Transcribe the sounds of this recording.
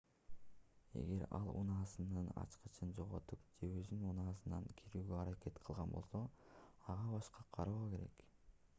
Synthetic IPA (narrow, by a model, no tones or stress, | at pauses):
e̞̰ɡe̞ɾɑ̰lˠṵnɑːsɯnɯnɑ̰t͡ʃqɯt͡ʃʰɯnd͡ʒo̞ʁo̞t̪upd͡ʒe̞øzynunɑːsɯnɑŋkʰiɾyːɡøɑɾake̞t̪qʰɯlˠʁɑnbo̞̰lˠso̞ | ɑʁɑbɑʃqɑqʰɑɾuke̞ɾe̞̰k